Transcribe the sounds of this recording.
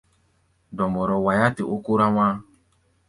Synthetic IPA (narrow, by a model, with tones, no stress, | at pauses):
dɔ˨mɔ˨ɾɔ˨wa˨ja˦tɪ˨ʔo˦ku˦ɾa˦wʷa˦